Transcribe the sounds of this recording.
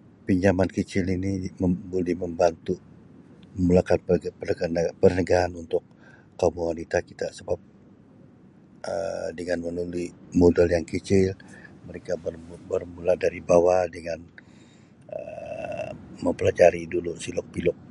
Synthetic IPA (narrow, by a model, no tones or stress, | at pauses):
piɲd͡ʒamankət͡ʃɪliniməbulɛhməmbant̪u | məmulakanppəəɡanpərnəɡaɦanunt̪ʊk̚ː | omuwanit̪akit̪asəbap̚ | ə̰dəŋanmənulimodɛljaŋkət͡ʃɪlməɾekabərbərmuladaɾibawadəŋan | ə̰ | məmpəlad͡ʒaɾidulusilɔk̚pilɔk̚